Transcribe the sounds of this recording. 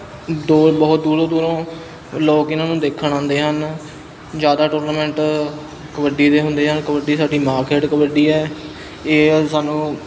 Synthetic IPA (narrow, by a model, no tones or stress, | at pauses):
d̪oːbəːʊt̪̚d̪uːɾõːd̪uːɾõː | loːkɪnãːnũːd̪eːkʰːəɳãːnd̪eːɦən | d͡ʒjaːd̪aːʈoːɾnaːmɛ̃ːɳʈ | kəʋəɖiːd̪eːɦʊ̃nd̪eːɦənkəʋəɖiːsaːɖiːmaːɾkeːʈkəʋəɖiːɛː | eːsaːnũː